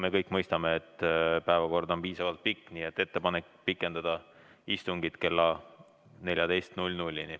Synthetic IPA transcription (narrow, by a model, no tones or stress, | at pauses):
me̞kɤjkːˑmɤjst̪ɑme̞ːt̪ːˑpæevɑko̞rd̪o̞npiːsɑvɑlt̪̚pikːniːe̞t̪ːˑe̞t̪ːe̞pɑne̞kpikːˑe̞nd̪̥ɑd̪̥ɑ | ist̪uŋɡ̥it̪ke̞lːɑ | ne̞lʲjɑd̪e̞jst̪nulʲnulʲːini